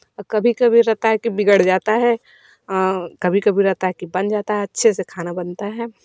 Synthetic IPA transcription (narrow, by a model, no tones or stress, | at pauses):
kɐbʱikɐbʱiɾɛɦt̪aɦɛkibɪɡəɽd͡ʒaːt̪aɦɛː | kɐbʱikɐbʱiɾɛɦt̪aɦɛkibɐnd͡ʒaːt̪aɦɛɐtːʃʰesekʰaːnabɐnt̪aɦɛː